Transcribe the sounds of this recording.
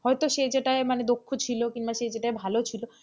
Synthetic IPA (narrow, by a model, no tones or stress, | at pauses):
hɔet̪oʃejd͡ʑeʈaemaned̪okʰːot͡ɕʰilokimbaʃejd͡ʑeʈaebʱalot͡ɕʰilo